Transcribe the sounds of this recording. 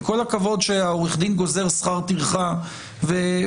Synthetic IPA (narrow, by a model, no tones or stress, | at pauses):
ko̞lakavo̞d̪ʃeaoʁiχd̪inɡo̞ze̞ʁsχaʁt̪iʁχa | ve